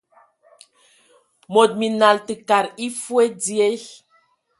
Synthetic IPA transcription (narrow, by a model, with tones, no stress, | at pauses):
mo˨t̚mi˨na˨ltɨ˨ka˨ɾi˦fwe˦d͡zi˦e˦